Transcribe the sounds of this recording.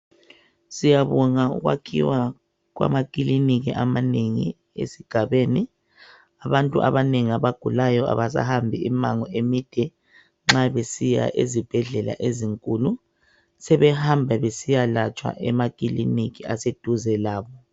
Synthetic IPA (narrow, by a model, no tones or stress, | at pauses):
sijaβɔŋaṵɣwa̰kʰḭwa | ɣwa̰makʼiliniɣḭʔamaneŋi | ḛsiɡ̥ʱaβeni | aβantʼuʔa̰βaneŋiaβaɡ̥ʱulajɔa̰βasa̰hambʱiimaŋɔemid̥ʱɛ | ŋ͡ǁaβesija̰ʔezib̥ʱɛɮɛla̰ʔeziŋkʼulu | sɛβɛhambʱaβesijalat͡ʃʼwa̰ʔɛmakʼilḭnikiased̥ʱuzɛlaːβɔ